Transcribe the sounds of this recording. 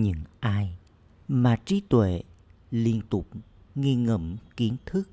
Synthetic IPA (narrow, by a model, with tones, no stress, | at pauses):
ɲɨ̰˧˥ŋʔaː˧j | maː˨˩t͡ɕi˨˦t̪wḛ˧˨ | li˧ənt̪ʊ˨˩k͡p̚ | ŋi˧ŋə̰˧˩mki˨˦ənt̪ʰɨ˦˥k̚